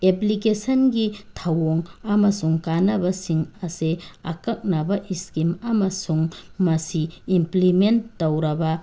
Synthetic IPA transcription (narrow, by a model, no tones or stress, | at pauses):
eplikesɐnɡitʰɐwoŋɐmɐsuŋkanɐbɐsiŋɐseɐkɐk̚nɐbɐʔiskimɐmɐsuŋmɐsiːmplimenːowɾɐbɐ